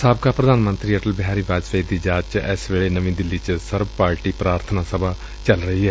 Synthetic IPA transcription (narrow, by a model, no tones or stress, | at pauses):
saːb̚kaːpɾəd̪aːnmə̃nt̪ɾiːəʈəlbɪɦaːɾiːbaːd͡ʒsəid̪iːd͡ʒaːt͡ʃt͡ʃɛ̰ːsʋeːɭeːnəʋĩːd̪ɪlːiːt͡ʃsəɾbpaːɾʈiːpɾaːɾt̪ʰənaːsəbaː | t͡ʃəlɾəɦiːɦɛː